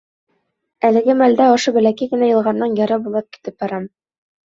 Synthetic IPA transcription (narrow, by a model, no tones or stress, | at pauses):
ælɘ̆ɡɘmæld̪æŏʃɤbɘ̆lækækɘ̆næjɤ̆lˠʁɑnːɑnjɑɾɤbulˠɤp̚ki̥t̪ɘp̚bɒɾɑm